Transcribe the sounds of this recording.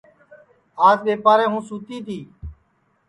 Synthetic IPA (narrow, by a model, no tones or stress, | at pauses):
aːzɓeːpaːɾɛ̃ːɦũːsuːt̪iːt̪ʰiː